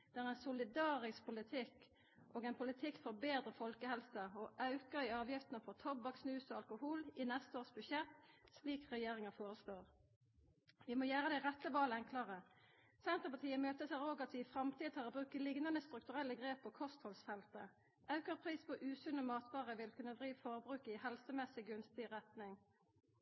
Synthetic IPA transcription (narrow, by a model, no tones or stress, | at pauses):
d̪̥æːʁɛɪnsʊlɪd̪ɑːʁɪspʰʊlɪt̪ʰɪk | ʔoːɡɛɪnpʰʊlɪt̪ʰɪkːfɔʁbeːd̪ʁəfɔlkəhɛlsɑɔʔɑʉkəʁɪɑːʋjɪft̪ənəfɔʁt̪ʰɔbɑksnʉːsɔɑlkʊhuːlɪnɛst̪əoːʁsbʉʃɛt̪sliːkʁɛjeːʁɪŋəfoːʁəsloːʁ | ʋɪmɔjæːʁəd̪ɛɪʁɛt̪ːəʋɑːləɛŋkʰlɑʁə | sɛnt̪ʁəpɑt̪ʰiːəmøːt̪əsæːʁoːɡɑt̪ʋɪfʁɑmt̪ʰiːd̪t̪ʰɑːʁbʁʉːkəlɪɡnɑnəst̪ɾʉk̚t̪ʉʁɛlːəɡʁeːpʰːɔkʰɔst̪hɔlsfɛlt̪ə | ʔɑʉkəʁpʰʁiːspʰɔʔʉːsʉnəmɑːt̪ʋɑːʁəʋɪlkʰʉnːəd̪ʁiːʋfɔʁbʁʉːkɪhɛlsəmɛsɪɡʉnst̪ɪʁɛt̪nɪŋ